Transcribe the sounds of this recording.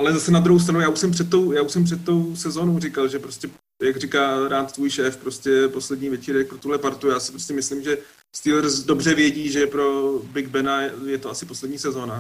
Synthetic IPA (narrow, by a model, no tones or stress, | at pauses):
ʔalɛzasɛnad̪ɾuɦows̬t̪ɾanujaːuʃsɛmpr̥ɛt̪t̪ːo̞wjaːuʃsɛmpr̥ɛt̪̚t̪ːo̞wsɛzo̞ːnowrɪkalʒɛpɾoscɛ | jaɡrɪkaːɾaːt̪t̪vuːjʃɛːfpɾo̞scɛpo̞slɛdɲiːvjɛt͡ʃiːɾɛk̚pɾot̪uɦlɛpaɾt̪ujaːsɪ̥pɾoscɛmɪslimʒɛ | st̪iːlɛɾsdo̞br̝ɛvjɛɟiːʒɛpɾo̞bɪɡ̚bɛnajɛjɛt̪oasɪposlɛdɲiːsɛzo̞ːna